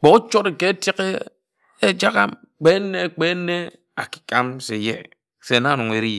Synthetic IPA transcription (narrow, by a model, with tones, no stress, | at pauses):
k͡pɔ˨u˦t͡ʃo˦tke˦ti˦ke˦ | e˦d͡ʒa˦ɣa˦m | k͡pe˦nːe˦˨k͡pe˦nːe˦ | a̰˨ki̥˨ka˦mse˨jḛ˨ | se˨na˦˨nu˨ŋe˨ɾi˦˨